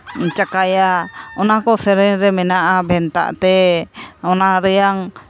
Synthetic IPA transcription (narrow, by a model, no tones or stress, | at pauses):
t͡ʃakajaɔnakɔsɛɾɛɲɾɛmɛnaʔabʱɛnt̪a̰ʔt̪ɛ | ɔnaɾɛjaŋ